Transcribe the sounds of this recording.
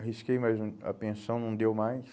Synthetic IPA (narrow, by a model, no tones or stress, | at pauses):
ɦiskejmajzɐ̰pẽsɐ̃w̃nɐ̃w̃d̪ewmajs